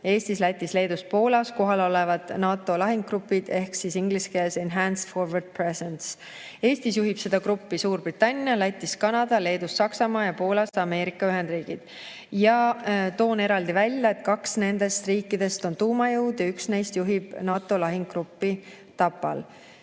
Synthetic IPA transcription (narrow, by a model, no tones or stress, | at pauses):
e̞ːst̪islæjt̪ːˑisle̞ːd̪uspo̞ːlɑsko̞ɦɑlo̞le̞vɑd̪̥nɑːt̪ːˑo̞lɑɦiŋɡ̚ɡrupːˑid̪̥e̞hksisiŋɡ̥liskeːlsenɦænsfo̞rvɑrd̪̚presens | e̞ːst̪isjuɦib̥se̞d̪̥ɑkɾupːisuːrb̥rit̪ːˑɑnʲːjɑlæjt̪ʲːˑiskɑnɑd̪̥ɑle̞ːd̪usːɑksɑmɑːjɑpo̞ːlɑsɑme̞ːɾikːˑɑyɦe̞nd̪riːɡ̥id̪̥ | jɑt̪o̞ːne̞ɾɑld̪ivælʲjɑe̞t̪̚kɑksne̞nd̪e̞st̪riːkːˑid̪e̞st̪o̞nt̪uːmɑjɤwd̪̥jɑyksne̞jst̪juɦib̥nɑːt̪ːˑo̞lɑɦiŋɡɡrupːi | t̪ɑpːˑɑ̰l